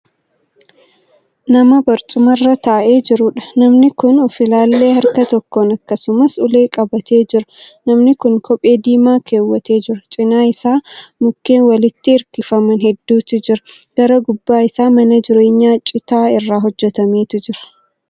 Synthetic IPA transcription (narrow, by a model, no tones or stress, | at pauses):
nɐmɐbɐɾt̪ʼʊmɐrːɐt̪ɐʔe̞ːd͡ʒɪɾʊᶑɐ̥nɐmnɪkʊnʊfɪlaːlːe̞ːhɐɾkɐt̪ɔkːoːnɐkːɐsʊmɐsʊle̞ːkʼɐbɐt̪ʰe̞ːd͡ʒɪɾʊ | nɐmnɪkʊŋkʰɔpʼe̞ːd̪iːmaːkʰeːwːɐt̪e̞ːd͡ʒɪɾɐt͡ʃʼɪnaːɪsaːmʊkːe̞ːnwɐlɪt̪ːɪɪɾkɪfɐmɐnɦɛd̪ːuːt̪ɪd͡ʒɪɾɐ̥ | ɡ̥ɐɾɐɡʊbːaːɪsaːmɐnɐd͡ʒɪɾe̞ːɲːaːt͡ʃʼɪt̪aːɪrːaːɦɔd͡ʒːɛt̪ɐmeːt̪ɪd͡ʒɪɾɐ̥